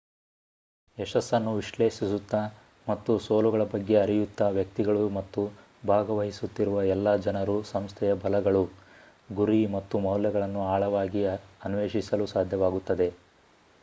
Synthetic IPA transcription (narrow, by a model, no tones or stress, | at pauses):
ɛʃɐsːɐnːuʋiʃleːʃisut̪ːɐ | mɐt̪ːusoːluɡɐɭɐbɐɡːe̞ɐɾijut̪ːɐʋjɐk̚t̪iɡɐɭumɐt̪ːu | bʱaːɡɐʋɐɦisut̪ːiɾuʋɐɛlːɐd͡ʒɐnɐɾusɐmst̪ʰɛjɐbʱɐlɐɡɐɭu | ɡuɾimɐt̪ːumɐwljɐɡɐɭɐnːuaːɭɐʋaːɡiɐnʋeːʃisɐlusaːd̪ʱjɐʋaːɡut̪ːɐd̪e̞